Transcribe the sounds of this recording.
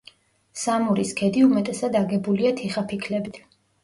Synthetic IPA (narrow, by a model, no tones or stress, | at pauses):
samuɾiskʰɛd̪iumɛt̪ʼɛsad̪aɡɛbuliat̪ʰiχapʰikʰlɛbit̪ʰ